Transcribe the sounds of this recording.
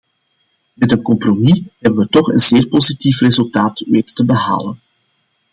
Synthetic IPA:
mɛtənkɔmpromiɦɛbənʋətɔxənzeːrpozitifrezɵlˠtaːtʋeːtə̥təbəɦa̰ːlən

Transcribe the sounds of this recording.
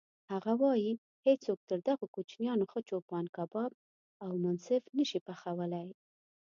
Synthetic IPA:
haɣawɑji | het͡sːok̚t̪əɾd̪aɣokut͡ʃnjɑnoxət͡ʃopɑnkabɑb̚ | awmʊnsɪfnəʃipaxawəlaj

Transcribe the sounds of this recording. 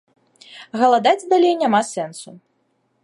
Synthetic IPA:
ɣɐlˠad̪ad͡zʲd̪alʲejnʲamasɛnsu

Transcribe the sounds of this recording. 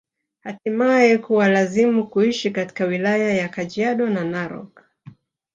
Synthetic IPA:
hatimajɛkuwalazimukuiʃikati̥kawilajajakad͡ʒiaɗɔnanaɾɔ̰k

